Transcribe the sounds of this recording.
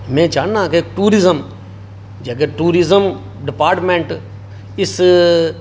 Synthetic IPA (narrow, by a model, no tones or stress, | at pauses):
mɛ̃ːt͡ʃaːãːkeʈuːɾɪzəm | d͡ʒəɡeʈuːɾɪzəm | ɖɪpaːɾʈmẽːɳʈ | ɪs